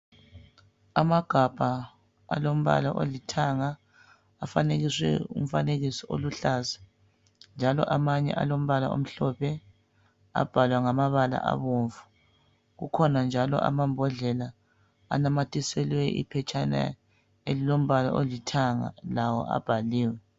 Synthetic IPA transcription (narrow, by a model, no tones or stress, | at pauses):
amaɡ̥ʱab̥ʱa | a̰lom̩βa̰laʔolitʰaŋaː | faneɣiswɛ̰ṵm̩faneɣisiʔoluɬaːsḁ | nd͡ʒʱalɔʔamaɲɛ̰ʔa̰lom̩βalao̰m̩ɬɔpʰɛ | a̰b̥ʱalwaŋamaβala̰ʔa̰βoɱvu | ɣukʰɔnand͡ʒʱalɔ̰ʔa̰mambʱɔɮɛla | a̰namatʰʼisɛlwɛʔḭpʰɛt͡ʃʰʼana̰ | elilom̩βala̰ʔolitʰaŋa̰lawɔ̰ʔa̰b̥ʱaliːwɛ